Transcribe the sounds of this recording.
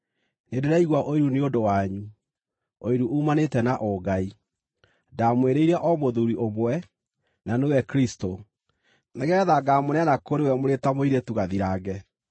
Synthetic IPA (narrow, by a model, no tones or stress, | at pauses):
nedeɾɛiɣwaʔoiɾuneodowaɲu | oiɾuumanetɛnaʔɔɡai | damweɾeiɾaʔɔmoðuɾiʔomwɛ | nanewɛkɾisto | neɣɛðaɡamonɛanakoɾewɛmoɾetamoiɾetuɣaðiɾaɡɛ